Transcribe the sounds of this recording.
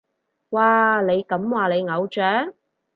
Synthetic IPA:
waː˨˧le˨˧jkɐ˨˥mwaː˨le˨˧jŋɐ˨˧wt͡ʃœː˨˥ŋ

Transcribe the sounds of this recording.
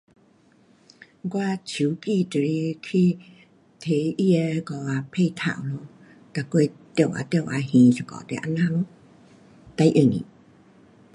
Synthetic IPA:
kwa˧˨t͡ɕʰi˨˦ki˧˨t̪ə˨˧ɾi˧kʰi˧ | t̪ʰe˨˦ʔi˧ɛ˧kɔ˧˨wa˧pʰe˥˧˨t̪ʰa̰˨wlo˧˦ | t̪a˨kwe˧˨t̪je˧˩˨wʔa̰˨˧˨t̪e˧˨wʔa̰˧hĩ˨sə˧˨kɔ̰˧˨t̪ḛ˧˨ʔa̰˧˨nã˧˨lo˧˦ | t̪a˧˦jʔə˧˩˨ŋḭ˨

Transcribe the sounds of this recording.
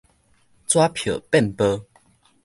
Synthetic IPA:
t͡swa˦pʰjə̰˨˩pɛ˥˨npə˦

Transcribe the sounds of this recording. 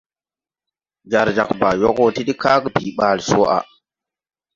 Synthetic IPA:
d͡ʒa˨ɾd͡ʒa˨kba˨jo˦ko˦ti˦ɗi˦ka˦kbi˨ɓa˦˨lso˦ʔa̰˨

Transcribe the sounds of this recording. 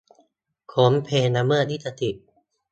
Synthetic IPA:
kʰo˩˦mpʰeː˧na˧mːɯ˥˩niː˥˩sa˧t̪ʰi˨˩ʔ

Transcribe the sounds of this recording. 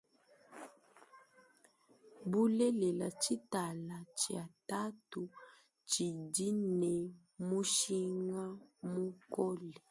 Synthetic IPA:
bu˦lɛ˦lɛ˨la˨t͡ʃi˦ta˨la˨t͡ʃi˨a˨ta˦tu˨ | t͡ʃi˨di˦nɛ˨ | mu˦ʃi˦ŋa˦mu˦kɔ˦lɛ˨

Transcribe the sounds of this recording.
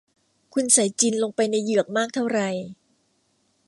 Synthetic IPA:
kʰu˧nsa˩˦jt͡ɕi˧nlo˧ŋpa˧jna˧jːɯ˨˩ək̚maː˥˩k̚t̪ʰa˥˩wɾa˨˩j

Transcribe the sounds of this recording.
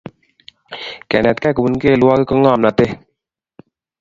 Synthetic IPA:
kɛ˨nɛ˨t̪kɛ˦kə˨bu˦nke˦˨lu˦wa˦ke˦kə˦ŋaː˦˨mna˨t̪e˦

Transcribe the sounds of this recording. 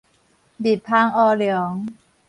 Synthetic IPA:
bi˨˩p̚pʰaː˧˥˩ŋʔɔː˧˩ljɔ˨˩˦ŋ

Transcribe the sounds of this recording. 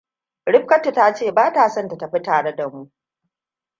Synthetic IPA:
ɽɪ˦ɸ̚kɐ˦tu˨ta˦t͡ʃeː˦˨baː˦taː˨sɐ˦˨nta˨ta˨ɸi˦taː˨ɽe˦da˨mu˦ʔ

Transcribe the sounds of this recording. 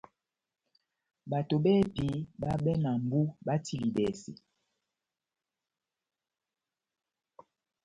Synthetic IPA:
ba˨to˨bɛ˦pi˨˦ba˦bɛ˦na˨m˦bu˦ba˦tʰi˨li˨bɛ˨sḭ˨

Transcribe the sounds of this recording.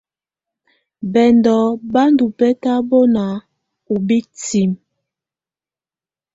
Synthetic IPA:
bɛ˨ndɔ˨˦ba˦ndu˨pɛ˦ta˦bo˦na˨˦ | u˨bi˦ti˨m

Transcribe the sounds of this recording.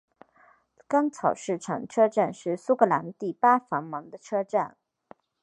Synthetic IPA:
kɑ˥ŋt͡sʰɑ˨˩ʊʂɻ̩˥˩ʈ͡ʂʰɑ̰˨˩ŋʈ͡ʂʰɤ˥ʈ͡ʂa˥˧nʂɻ̩˥˩su˥kʰɤ˧˥la˧˥nt̪i˥˩pa˥fɑ˧˥ŋmɑ˧˥ŋd̪ə˧ʈ͡ʂʰɤ˥ʈ͡ʂa˥˩n

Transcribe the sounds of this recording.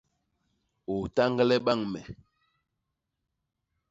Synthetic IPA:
o˨ta˦ŋɡlɛ˦ɓa˦˨ŋmɛ˨

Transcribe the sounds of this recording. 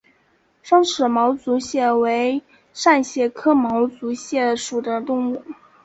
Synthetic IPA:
ʂɑ˥ŋʂɻ̩˨˩mɑ˧˥ʊt͡su˧˥ɕjɛ˥˩we˧˥ɪ | ʂa˥˧nɕjɛ˥˩kʰɤ˥mɑ˧˥ʊt͡su˧˥ɕjɛ˥˩ʂu˨˩d̪ə˦t̪ʊ˥˧ŋu˥˩

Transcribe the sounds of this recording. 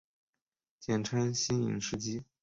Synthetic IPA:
t͡ɕjɛ˨˩nʈ͡ʂʰa˥nɕi˥nḭ˨˩ŋʂɻ̩˥˧t͡ɕi˥

